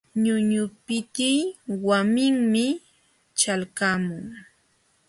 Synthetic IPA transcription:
ɲʊɲʊpɪt̪ɪjwamɪŋmɪ | t͡ʃalkamʊŋ

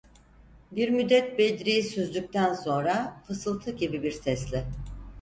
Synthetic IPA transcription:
biɾmyd̪ːɛt̪̚bed̪ɾijisøzlʲyc̚t̪ʰænso̞nɾafɯsɯlˠt̪ʰɯɟibibiɾsɛslʲɪ

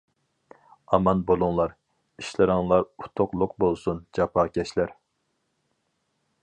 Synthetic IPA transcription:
ɑmɑnbolˠuŋlˠɑɾ | iʃlˠɨɾɑŋlˠɑɾu̥t̪ʰoqlˠʊqbolˠsund͡ʒɑpʰɑːkʲɛʃlæɾ

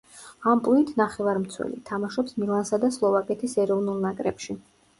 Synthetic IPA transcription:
ampʼlˠuit̪ʰnaχɛvaɾmt̪sʰwɛ̰lḭt̪ʰamaʃɔpsmilˠansad̪aslˠɔvakʼɛt̪ʰisɛɾɔvnulˠnakʼɾɛ̰pʃi

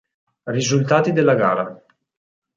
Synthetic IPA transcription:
rizult̪aːt̪id̪elːaɡaːɾa

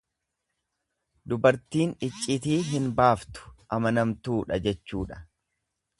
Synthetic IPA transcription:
d̪ʊbɐɾt̪iːnɪt͡ʃʼːɪt̪iːɦɪnbaːft̪ʊ̥ʔɐmɐnɐmt̪uːᶑɐd͡ʒɛt͡ʃːuːᶑɐ̥

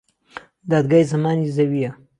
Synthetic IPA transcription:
d̪ɑd̪̚ɡajzamɑnizawija

